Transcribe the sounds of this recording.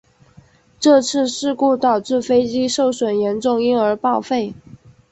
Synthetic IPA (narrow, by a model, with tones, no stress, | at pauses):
ʈ͡ʂɤ˥˧t͡sʰɹ̩˥˧ʂɻ̩˥˧ku˥˩t̪ɑ˨˩ʊʈ͡ʂɻ̩˥˩fe˥ɪt͡ɕi˥ʂo˥˩ʊʂwə˨˩njɛ˧˥nʈ͡ʂʊ˥˧ŋi˥nə˞˧˥pɑ˥˧ʊfe˥˩ɪ